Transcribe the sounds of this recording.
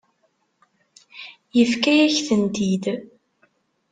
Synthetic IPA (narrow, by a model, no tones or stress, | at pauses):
jəfkæjæçθənd̪id̪